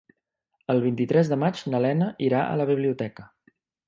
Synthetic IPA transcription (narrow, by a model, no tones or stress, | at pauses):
əlˠβint̪it̪ɾɛzðəmad͡ʒnəlɛnəʔiɾaʔə̰ləβ̞iβliut̪ɛkə